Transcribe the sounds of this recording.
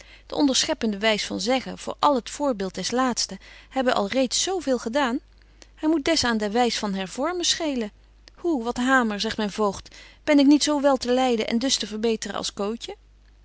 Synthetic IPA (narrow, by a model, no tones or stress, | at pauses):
d̥əɔ̰ndəɹsχɛpəndəʋɛjsfɑ̰nzɛχə̰v̥ʊ̰ːɹʔɑlˠɦətfʊːɹbɪːlˠt̚dɛslaːtstəhɛbəʔɑ̰lˠrejtsːowvɪːlˠχədaːn | hɛjmut̚dɛsaːndəʋɛjsfɑnɦɛɹv̥ɔɹməsχejlə | huʋɑtɦaːməɹzɛχtmɛjnvowχtb̥ɛnɪknitsowʋɛlˠtəlɛjdənʔɛ̰ndɵstəvəɹbejtərə̰ɑ̰lˠskowcə